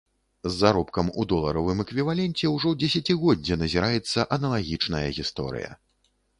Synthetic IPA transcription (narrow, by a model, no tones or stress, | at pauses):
zːaɾɔpkɐmud̪ɔlˠɐɾɐvɨmɛkvʲivalʲɛnt͡sʲɛwʐɔwd͡zʲesʲat͡sʲiɣɔd͡zd͡zʲːɛnɐzʲiɾajɛt̪sːɐʔɐnɐlˠaɣʲit͡ʂnɐjɐ̰ɣʲist̪ɔ̰ɾɨ̰jɐ̰